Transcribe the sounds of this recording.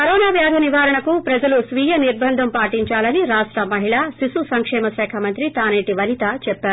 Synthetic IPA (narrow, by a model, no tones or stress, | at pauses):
kɐɾɔːnaːʋjaːd̪ʱɐniʋaːɾɐɳɐkupɾɐd͡ʒɐlusʋiːjɐniɾbʱɐnd̪ʱɐmpaːʈiɲt͡ʃaːlɐniɾaːʂʈɾɐmɐɦiɭaːsisusɐŋkʂɛːmɐʃɛːkʰamɐnt̪ɾit̪aːneːʈiʋɐlit̪at͡ʃɛpːaːɾu